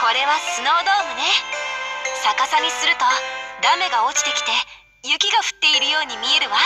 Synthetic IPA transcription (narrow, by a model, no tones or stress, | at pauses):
ko̞ɾe̞βasɨno̞ːd̪o̞ːmɯne̞ | sakasamʲisɨɾɯ̟t̪o̞d̪ame̞ɡao̞t͡ɕi̥t̪e̞kʲi̥t̪e̞ | jɯ̟kʲiɡaɸɯ̟̥t̪ːe̞iɾɯ̟jo̞ːɲ̟imʲie̞ɾɯ̟βa